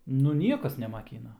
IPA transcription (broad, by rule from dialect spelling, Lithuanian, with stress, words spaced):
nʊ ˈnʲiɛkɐs nʲɛmɐˈkʲiːnɐ